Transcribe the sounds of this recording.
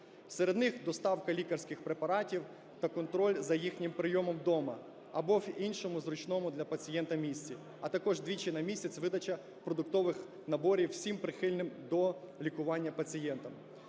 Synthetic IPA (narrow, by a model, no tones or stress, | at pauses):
seɾe̞d̪nɪxd̪ɔst̪ɑwkɐlʲikɐrsʲkɪxpɾepɐɾɑtʲiw | t̪ɐkɔnt̪ɾɔlʲzɐjixnʲɪmpɾɪjɔmɔmd̪ɔmɐ | ɐbɔwinʲʃɔmʊzɾʊt͡ʃnɔmʊd̪lʲɐpɐt͡sʲijɛnt̪ɐmʲisʲt͡sʲi | ɐt̪ɐkɔʒd̪ʋʲit͡ʃɪnɐmʲisʲɐt͡sʲʋɪd̪ɐt͡ʃɐ | pɾɔd̪ʊk̚t̪ɔʋɪx | nɐbɔɾʲiwsʲimpɾɪxɪlʲnɪmd̪ɔ | lʲikʊʋɑnʲːɐpɐt͡sʲijɛnt̪ɐm